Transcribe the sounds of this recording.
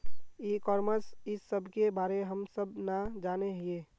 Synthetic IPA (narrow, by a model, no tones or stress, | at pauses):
iːkɔːɾməsɪsːəbʱkebaːɾeɦəmsəbʱnad͡ʒaːneɦɪeː